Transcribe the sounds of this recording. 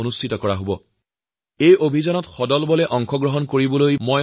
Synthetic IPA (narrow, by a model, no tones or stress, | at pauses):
onustʰitɔkɔɹaɦobɔ | ejobʱizanɔtxɔdɔlbɔlɛʔɔŋkʰɔɡɹɔɦɔnkoɹibɔlojmɔj